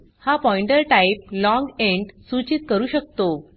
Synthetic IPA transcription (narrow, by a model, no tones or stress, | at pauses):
hapɔiɳʈəɾʈaip̚lɔ̃ŋɡeɳɖsut͡ɕit̪̚kəɾuːɕək̚t̪o